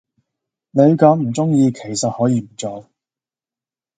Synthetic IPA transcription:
ne˨˧˥jkɐː˨˥mm̩˨˩t͡sʊ˥ŋjiː˧kʰe˨˩jsɐ˨t̚hɔː˨˥jiː˧m̩˨˩t͡sɔː˨˧

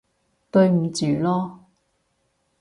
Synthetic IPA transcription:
t̪ɵ˧ɥm̩˨˩t͡syː˨˩lɔː˥

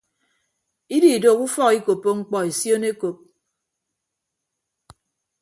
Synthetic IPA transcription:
i˦di˨i˨do˨ku˦fɔ˦ki˦ko˨pːo˦ŋ͡m̩˦k͡pɔ˦e˨sjo˦ne˦ko˨p̚

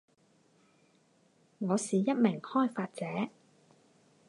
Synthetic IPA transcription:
ŋɔː˨˧siː˨˩jɐ˥t̚mɪ˨˩ŋhɔː˥˩jfaː˧t̚t͡sɛː˨˥

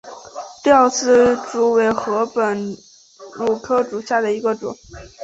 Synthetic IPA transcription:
t̪i˥ə˞˥˩sɹ̩˥˩ʈ͡ʂu˧˥we˧˥ɪxɤ˧˥pə˨˩n | lu˨˩kʰɤ˥ʈ͡ʂu˨˩ɕja˥˩d̪ə˩i˧˥ɡə˧ʈ͡ʂʊ̰˨˩˦ŋ

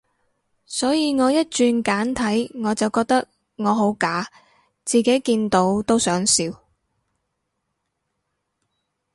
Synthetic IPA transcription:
sɔː˨˥jiː˨˧ŋɔː˨˧jɐ˥t̚t͡ʃyː˧nkaː˨˥nt̪ʰɐ˨˥jŋɔː˨˧t͡sɐ˨wkɔː˧k̚t̪ɐ˥k̚ | ŋɔː˨˧ɦo˨˥wkaː˨˥ | t͡siː˨ke˨˥jkiː˧nt̪o˨˥wt̪o˥wsœː˨˥ŋsiː˨˧w

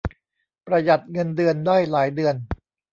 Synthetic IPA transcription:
pɾa˧ja˨˩t̪̚ŋɤ˧ndɯ˧əndaː˥˩jlaː˩˦jdɯ˧ən

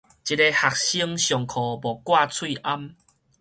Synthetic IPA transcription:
t͡ɕi˧te˧ha˨˩k̚ɕi˧əŋɕjɔ˨˩ŋkʰɔ˨˩bɔ˨kwa˥˧˨t͡sʰwi˥˧ʔa˦m

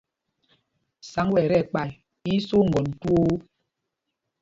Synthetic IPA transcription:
sa˨˦ŋwɛ˨ɾɛ˦˨k͡pa˨j | i˦so˦ŋ̩˨ɡɔ˨n̩˨tu˦o˦

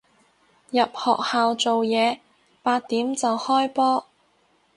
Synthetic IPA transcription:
jɐ˨p̚hɔ̰ː˨k̚haː˨wt͡so˨wjɛː˨˧ | paː˧t̚t̪iː˨˥mt͡sɐ˨whɔː˥jpɔː˥

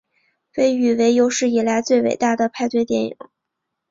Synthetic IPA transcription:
we˧˥ɪy˨˩we˧˥ɪjo˧˥ʊʂɻ̩˥˩i˨˩la˧˥ɪt͡swe˥˩ɪwḛ˨˩ɪt̪a˥˩d̪ə˩pʰa˥˧ɪt̪we˥˧ɪt̪jɛ˧˥nḭ˨˩˦ŋ

